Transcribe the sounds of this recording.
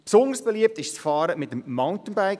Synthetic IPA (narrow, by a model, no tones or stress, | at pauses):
psʊnd̪əɹsb̥eliəp̚tɪʃst͡sfɑːɾəmɪtəmmaʊntənbaɪk